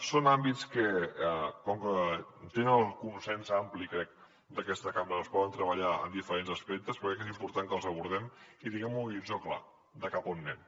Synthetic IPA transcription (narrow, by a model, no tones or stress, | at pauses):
sonambit͡skə | kɔŋkət̪enəlˠkunsɛnzamplikɾɛk̚ | d̪əkɛst̪əkamɾəəspɔðənt̪ɾəβəʎaə̰nd̪ifəɾenzəspɛk̚t̪əspəɾkɛkezimpuɾt̪aŋkəlˠzəβ̞uɾðɛmit̪iŋɡɛmuiʒɔkla̰ | d̪əkapunːɛm